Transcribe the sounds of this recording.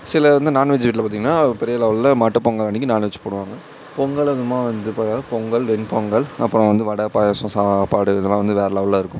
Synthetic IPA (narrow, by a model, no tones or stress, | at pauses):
sɪlɐʋɐnd̪ɯnaːnʋɛt͡ʃːʋiːʈ̬ːɪlɐpaːɾt̪iːŋɡɐnːaːpɛɾɪjɐlɐʋɐllɐmaːʈːɐpɔŋɡɐɭɐnːɪkːɯnaːnʋɛt͡ʃːɯ̥poːɽɯʋaːŋɡɐ | pɔŋɡɐɭɐðɯmaːʋɐnd̪ɯpaːaːɐpɔŋɡɐɭʋɛnpɔŋɡɐɭɐpːɯɾɔ̃ʋɐnd̪ɯʋɐɽɐpaːjɐsɐ̃saːpaːɽɯɪðɐlãːʋɐnd̪ɯʋeːɾɐlɐʋɐlaːɪɾɯkːʊ̃m